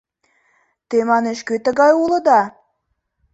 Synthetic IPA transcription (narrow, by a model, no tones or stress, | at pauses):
t̪emɑneʃkøt̪ə̆ɣɑjulə̆d̪ɑ